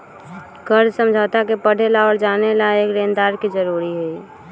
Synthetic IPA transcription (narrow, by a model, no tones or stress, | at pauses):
kəɾd͡ʒsə̃md͡ʒʱaːt̪akepəɽ̤ʱelaɔːɾd͡ʒaːnelaeːkɾẽːnd̪aːɾkid͡ʒəɾuːɾiɦɛi